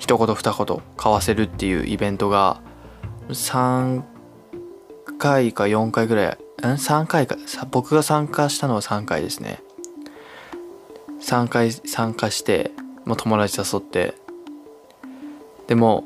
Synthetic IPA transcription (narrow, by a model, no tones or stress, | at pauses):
çi̥t̪o̞ko̞t̪o̞ɸɯ̟̥t̪ako̞t̪o̞̰kʰaβase̞ɾɯ̟t̪ːe̞jɯ̟̰ːʔibẽ̞nt̪o̞ɡa̰ | sãŋ | kaikajõ̞ŋkaiɡɯɾaja̰ɯ̃sãŋkaikasabo̞kɯ̟ɡasãŋkaɕi̥t̪ano̞βasãŋkaid̪e̞sɨnḛ | sãŋkaisãŋkaɕi̥t̪e̞̰mot̪ʰo̞mo̞ɾaʑi̥saso̞t̪ːe̞̰ | d̪̥e̞mo̞